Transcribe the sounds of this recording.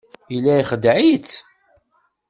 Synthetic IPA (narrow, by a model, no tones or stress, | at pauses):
ilːæjχəd̪ʕit͡s